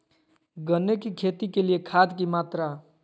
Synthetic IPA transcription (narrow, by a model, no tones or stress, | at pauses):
ɡənːekikʰet̪ikelijekʰad̪kimat̪ɾa